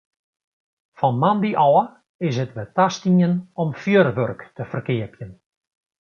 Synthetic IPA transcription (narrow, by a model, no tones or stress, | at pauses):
fɔnmandiʔɔwə | ɪsətʋətastinjənɔmfjørʋørktəfərkɪəpjən